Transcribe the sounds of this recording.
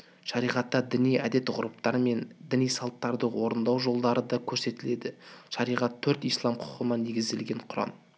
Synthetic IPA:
ʒɑɾijʁɑt̪ːɑd̪ɪnijæd̪e̞t̪ʁʊɾup̚t̪ɑɾəme̞nd̪ɪnijsɑlˠt̪ːɑɾd̪əwo̞ɾənd̪ɑwʒo̞lˠd̪ɑɾəd̪ɑkʲʰɵɾse̞t̪ɪle̞d̪ɪʒ̥ɑɾijʁɑt̪ʰːɵɾt̪ijslˠɑmqʰʊ̥qənɑne̞ɡʲɪzd̪e̞lɡʲe̞ɴqʰʊɾɑ̰m

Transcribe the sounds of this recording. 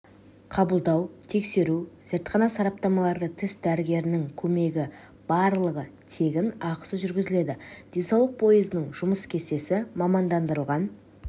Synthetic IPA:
qʰɑbəlˠd̪ɑwt̪ʰe̞kse̞ɾuz̥ɪɾt̪qɑnɑsɑɾɑp̚t̪ɑmɑlˠɑɾd̪ət̪ʰɪsd̪æɾɪɡʲe̞ɾɪnɪŋkʲʰɵme̞ɡʲɪ | b̥ɑɾlˠəʁət̪ʰe̞ɡʲɪnɑqə̥səʒʏɾɡʲɪzɪle̞d̪ɪd̪̥e̞nsɑwlˠəq̚pʰo̞jəzɪnəɴʒʊməskʲʰe̞se̞sɪmɑmɑnd̪ɑnd̪əɾəlˠʁɑn

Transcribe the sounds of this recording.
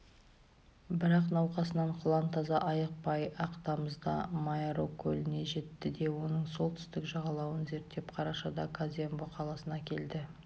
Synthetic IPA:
bɪɾɑqnɑwqɑsənɑɴqʰʊlˠɑnt̪ʰɑzɑʔɑjəq̚pɑjɑqt̪ɑməzd̪ɑ̰majaɾokʲʰːɵlʲɪne̞ʒe̞t̪ːɪd̪e̞wo̞nəɴso̞lˠt̪ʰʏ̥st̪ɪkʒɑʁɑlˠɑwənze̞ɾt̪ːe̞pqʰɑɾɑʃɑd̪ɑkʰazʲemboqʰɑlˠɑsənɑkʲʰeld̪ɪ

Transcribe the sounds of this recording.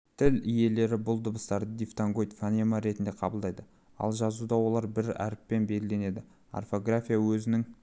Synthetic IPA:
t̪ʰɪlije̞le̞ɾɪbʊlˠd̪ʊbəst̪ɑɾəd̪ift̪aŋɡo̞jt̪fanemaɾe̞t̪ɪnd̪e̞qʰɑbəlˠd̪ɑjd̪ə | ɑ̰lˠʒɑzud̪ɑwo̞lˠɑɾbɪɾæ̰ɾɪpːe̞nbe̞lɡɪle̞ne̞d̪ɪ | a̰rfo̞ɡrafʲijawɵzɪnɪŋ

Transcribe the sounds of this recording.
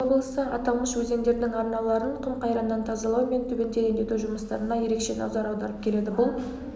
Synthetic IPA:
obəlˠəsəɑt̪ɑlˠməʃwɵze̞ŋd̪e̞ɾd̪ɪŋɑɾnɑlˠɑɾəɴqʰʊmqʰɑjɾɑnːɑnt̪ʰɑzɑlˠɑwme̞nt̪ʰʏbʲe̞nd̪ed̪end̪e̞t̪uʒʊməst̪ɑɾənɑje̞ɾe̞kʃe̞nɑ̰wzɑɾɑwd̪ɑɾəp̚kʲʰe̞le̞d̪ɪbʊlˠ

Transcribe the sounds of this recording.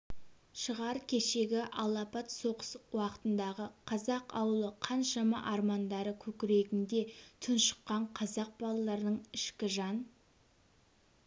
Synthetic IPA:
ʃəʁɑɾkʲʰe̞ʃe̞ɡʲɪʔɑlˠɑpɑt̪so̞qə̥swɑqə̥t̪ənd̪ɑʁəqʰɑzɑqɑ̰wəlˠəqʰɑnʃɑmɑ̰ʔɑɾmɑnd̪ɑɾəkʲʰɵkʲɪɾe̞ɡʲɪnd̪e̞t̪ʰʊnʃə̥qːɑɴqʰɑzɑq̚bɑlˠɑlˠɑɾənəɴɪʃkʲɪʒɑn

